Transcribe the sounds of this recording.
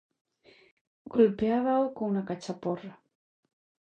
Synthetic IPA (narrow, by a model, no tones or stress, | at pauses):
ɡ̥olpeaβaokoŋunakat͡ʃapora